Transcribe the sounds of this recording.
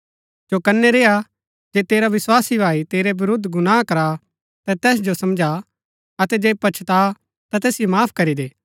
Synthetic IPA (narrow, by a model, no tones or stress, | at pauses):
d͡ʒokɐnːɛɾeːa | d͡ʒeːt̪eːɾaʋɪswaːsibʱaːit̪eːɾebɪɾʊd̪ʱːɡʊnaːkɐɾa | t̪ɛ̃t̪ɛːs̬d͡ʒosɐmd͡ʒʱa | ɐt̪ɛd͡ʒeːpɐːt͡ʃʰt̪a | t̪at̪ɛːsɪjomaːpʰkɐɾid̪eː